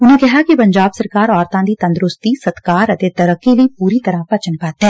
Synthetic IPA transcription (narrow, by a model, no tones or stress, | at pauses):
ʊnɦẽkɐɦakipɐ̃ɲd͡ʒaːbsɐɾkaːɾɔːɾt̪ãd̪it̪ɐ̃nd̪ɾʊst̪isɐt̪kaːɾɐt̪et̪ɐɾəkːeliipuːɾit̪ɐɾəpɐt͡ʃənpaːt̪ɦɛ̃ː